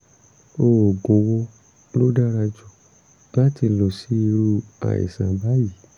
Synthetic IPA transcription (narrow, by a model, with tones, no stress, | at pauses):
o˧˨o˨ɡo˨wɔ˧ | lo˦da˦ɾa˧d͡ʒu˨ | ba˦ti˧lo˨si˦i˧ɾu˧a̰˨ḭ˨sã˨ba˦ji˨˦